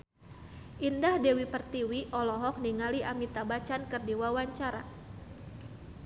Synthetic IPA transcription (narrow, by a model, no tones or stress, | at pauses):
ʔindahdewipərt̪iwiʔɔlɔɦɔk̚niŋaliʔamit̪abat͡ʃankɨrdiwawaɲt͡ʃaɾa̰